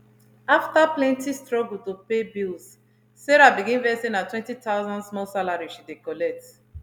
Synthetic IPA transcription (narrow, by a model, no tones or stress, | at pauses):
aftaplɛ̃ntistɹɔɡl̩topebils | sɛɾabiɡĩnvɛsĩnatwɛ̃ntitaʊzɔ̃ndsmɔlsalaɹiʃidekɔlɛk̚t